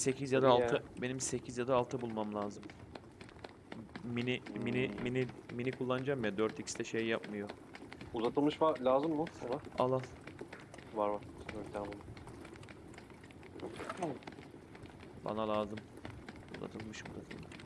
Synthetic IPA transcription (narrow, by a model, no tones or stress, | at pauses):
se̞cʰizjad̪aːlt̪ʰɯbe̞nimse̞cʰizjad̪aːlˠt̪ʰɯbulˠmamlʲˠaːzɯm | miniminiminiminikʰulˠːanɯd͡ʒamjad̪øɾt̪icst̪ʰɛʃejːapmɯjo̞ | uzat̪ʰɯlˠmɯʃvaɾlʲaːzɯmːʊsanaalˠanˠ | vaɾvaɾsølʲanbuna | ba̰nalʲˠaːzɯm | ṵza̰t̪ʰɯlˠmɯʃṵza̰t̪ʰɯ̰lˠmɯʃ